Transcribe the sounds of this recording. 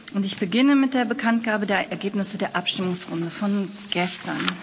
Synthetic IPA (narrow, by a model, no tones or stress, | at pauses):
ʔʊntɪçb̥əɡɪnəmɪt̚d̥eːɐbəkʰantɡ̥aːbədeːɐʔɛɐɡeːpnɪsədeːɐʔapʃtɪmʊŋsʁ̥ʊndəfɔn | ɡ̥ɛstʰɐn